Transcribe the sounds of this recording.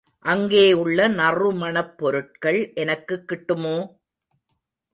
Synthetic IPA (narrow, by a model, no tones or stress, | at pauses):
ʔɐŋɡeːɯɭːɐnɐrɯmɐnɐpːɔɾɯʈ̚kɐɭʔɛnɐkːɯkːɪʈːɯmoː